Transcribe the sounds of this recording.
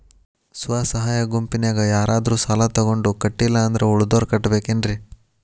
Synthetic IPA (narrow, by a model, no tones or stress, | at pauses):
suʋaːsɐɦaːjɐɡumpinjaːɡɐjaːɾʔaːd̪ɐɾuːsaːlɐt̪ɔɡo̞ɳɖukɐʈːilːɐːnd̪ɐɾeuɭud̪oːɾkɐʈːɐbe̞ːkendɾi